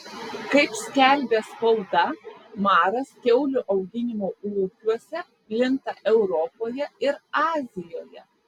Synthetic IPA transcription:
kɐɪpsʲkʲælʲbʲeːspɐlˠd̪ɐmɑːɾɐskʲɛʊlʲʊʔɒʊɡʲɪnʲɪmoːuːkʲuɔsʲɛ | pʲlʲɪnt̪ɐʔɛʊɾɔpoːjɛɪɾɑːzʲɪjoːjɛ

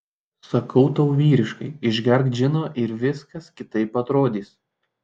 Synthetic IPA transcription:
sɐkɒʊt̪ɐʊʋʲiːɾʲɪʃkɐɪɪʒʲɡʲɛɾkt̪ʒʲɪnoːʔɪɾʋʲɪskɐskʲɪt̪ɐɪpɐt̪ɾoːd̪ʲiːs

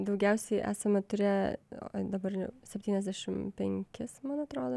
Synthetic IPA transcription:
d̪ɐʊɡʲɛʊsʲɛɪʔæ̰ːsɐmʲɐt̪ʊɾʲæ | d̪ɐbɐrsʲɛpʲt̪ʲiːnʲɛzʲd̪ʲæːʃʲɪmpʲɛŋʲkʲɪsmɐnɐt̪ɾoːd̪oː

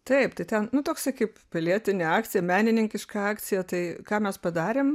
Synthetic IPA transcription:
t̪ɐɪpt̪ɐɪt̪ʲɛnnʊt̪oːksʲɐkɐɪppʲɪlʲiɛt̪ʲɪnʲeɑːkt͡sʲɪjɛmʲæːnʲɪnʲɪŋʲkʲɪʃkɐɑːkt͡s̪ʲɪjɛt̪ɐɪkɑːmʲɛspɐd̪ɑːɾʲeːm

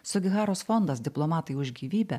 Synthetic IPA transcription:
sʊɡʲɪɣɑːɾoːsfɔnd̪ɐsd̪ʲɪplˠɔmɑːt̪ɐɪʊʒʲɡʲiːʋʲiːbʲɛ

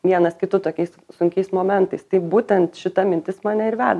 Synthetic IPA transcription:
ʋʲiɛnɐskʲɪt̪ʊt̪oːkʲɛɪssʊŋʲkʲɛɪsmoːmʲɛnt̪ɐɪst̪ɐɪbuːt̪ʲɛnt̪ʃʲɪt̪ɐmʲɪnʲt̪ʲɪsmɑːnʲɛɪɾʋʲæːd̪ɐ

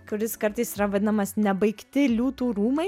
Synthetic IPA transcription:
kʊɾʲɪskɐɾt̪ɐɪsiːɾɐʋɐd̪ʲɪnɐmɐsnʲɛbɐɪkt̪ʲɪlʲuːt̪uːɾuːmɐɪ

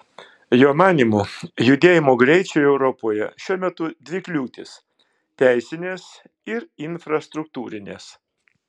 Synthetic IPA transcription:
joːmɑːnʲiːmujʊd̪ʲeːjɪmoːɡɾʲɛɪt͡ʃʲoːjɛʊɾɔpoːjɛ̰ʃʲuɔmʲɛt̪ʊd̪ʲʋʲɪklʲuːt̪ʲɪs | t̪ʲæɪsʲɪnʲeːs | ɪɾɪnfɾɐst̪ɾʊk̚t̪uːɾʲɪnʲḛːs

